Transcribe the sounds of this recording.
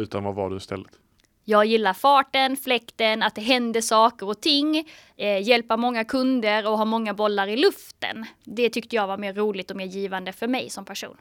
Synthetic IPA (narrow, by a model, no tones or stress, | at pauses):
ʉ̟ːt̪ʰanvava̰ɖɵɪst̪ʰɛ̰lːət̪ | jɑːɡjɪlːaɾfɑːʈənflɛkt̪ənat̪̚d̪ɛɦɛnd̪əsɑːkəɾɔt̪ʰɪŋː | jɛlpaɾmɔŋːakʰɵnd̪əɾɔɦɑːmɔŋːabɔlːaɾɪlɵft̪ə̰nd̪ɛt̪ʰʏkt̪əjɑːɡvaɾmeːɾːuːlɪt̪ɔmeːɾjiːvand̪əfœɾmɛjsɔmpʰæʂṵːn